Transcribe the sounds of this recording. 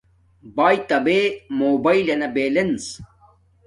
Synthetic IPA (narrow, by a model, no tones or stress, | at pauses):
baːjt̪ɐbeːmoːbɐilɐnɐbeːlens